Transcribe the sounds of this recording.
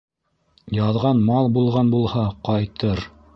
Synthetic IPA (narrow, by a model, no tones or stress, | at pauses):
jɑðʁɑnmɑlˠbulˠʁɑnbulˠhɑqɑjt̪ɤɾ